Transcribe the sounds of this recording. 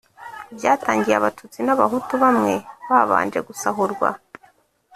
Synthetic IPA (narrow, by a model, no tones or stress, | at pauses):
ibjaːtaːɲɟijeaβatʰut͡sinaβaɦutuβamŋe̞βaβa̰ːnd͡ʒe̞ɡusaɦuɾɡwa̰